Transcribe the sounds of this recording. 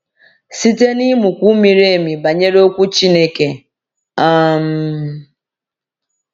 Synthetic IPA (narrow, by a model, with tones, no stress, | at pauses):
si˦te˦ni˦mu˨kʷu˦mi˨ɾe˦˨mi˨ba˨ɲe˦ɾe˦o˦kʷu˦t͡ʃi˦ne˦ke˨ | a˦m̩˦